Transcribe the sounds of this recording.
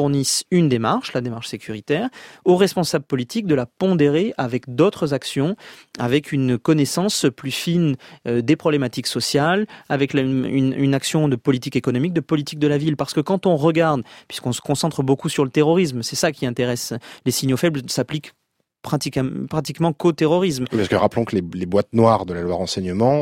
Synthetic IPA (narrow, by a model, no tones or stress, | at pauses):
fuʁnisynd̪emaʁʃlad̪emaʁʃsekʲʰyʁit̪ɛʁoʁɛspɔ̃sablpɔlit̪ʰik̚d̪əlapɔ̃d̪eʁeʔavɛkd̪ot̪χəzaksjɔ̃avɛkʰynkɔnɛsɑ̃splyfinød̪epχɔblemat̪iksɔsjalavɛklynynaksjɔ̃d̪əpɔlit̪ikekɔnɔmik̚d̪əpɔlit̪ik̚d̪əlavilpaʁsə̥kəkɑ̃t̪ɔ̃ʁəɡaʁd̪pɥiskɔ̃sə̥kɔ̃sɑ̃t̪χəbokusyʁlət̪eʁɔʁis̬msɛsakʲiɛ̃t̪eʁɛslesiɲjofɛblsaplik | pχat̪ikpχat̪ikmɑ̃kot̪eʁɔʁismwipaʁskəʁaplɔ̃kəlelebwat̪nwaʁd̪əlalwaʁɑ̃sɛɲəmɑ̃